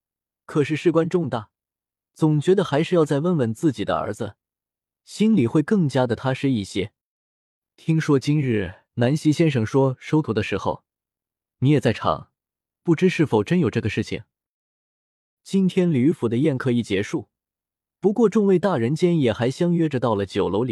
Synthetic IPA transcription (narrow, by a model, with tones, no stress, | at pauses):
kʰɤ˨˩ʂ̬ɻ̩˥˧ʂɻ̩˥˩kwa˥nʈ͡ʂʊ˥˧ŋt̪a˥˩ | t͡sʊ˨˩ŋt͡ɕɥɛ˧˥d̪ə˧xa˧˥ɪʂɻ̩˥˧jɑ˥˧ʊt͡sa˥˧ɪwə˥˩nwə˥˩nt͡sɹ̩˥˩t͡ɕi˨˩d̪ə̰˦ə̰˞˧˥d͡z̩˧ | ɕi˥nli˨˩xwe˥˧ɪkɤ˥˩ŋt͡ɕja˥d̪ə˨t̪ʰa˥ʂɻ̩˥˧i˥˩ɕjɛ˥ | t̪ʰi˥ŋʂwɔ˥t͡ɕi˥nɻɻ̩˥˩ | na˧˥nɕi˥ɕjɛ˥nʂɤ˨˩ŋʂwɔ˥ʂo˥ʊt̪ʰu˧˥d̪ə˧ʂɻ̩˧˥xo̰˥˧ʊ | ni˧˥jɛ˨˩t͡sa˥˩ɪʈ͡ʂʰɑ̰˨˩˦ŋ | pu˥˩ʈ͡ʂɻ̩˥ʂɻ̩˥˩fo˨˩ʊʈ͡ʂə˥njo˨˩ʊʈ͡ʂɤ˥˩ɡə˩ʂɻ̩˥˩t͡ɕʰḭ˨˩ŋ | t͡ɕi˥nt̪ʰjɛ˥nly˧˥fu˨˩d̪ə˦jɛ˥˩nkʰɤ˧˥i˨˩t͡ɕjɛ˧˥ʂu˥˩ | pu˧˥kwɔ˥˧ʈ͡ʂʊ˥˧ŋwe˥˧ɪt̪a˥˩ɻə˧˥nt͡ɕjɛ˥njɛ˨˩xa˧˥ɪɕjɑ˥ŋɥɛ˥ʈ͡ʂə˧t̪ɑ˥˩ʊlə˩t͡ɕjo˨˩ʊlo˧˥ʊli˨˩˦